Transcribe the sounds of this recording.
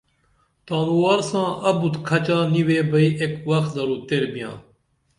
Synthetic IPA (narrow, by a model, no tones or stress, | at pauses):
t̪aːnuwaɾsãːʔɐbut̪kʰɐt͡ɕaːniweːbɐiekwɐxt̪zɐɾuːt̪eɾbijã̰ː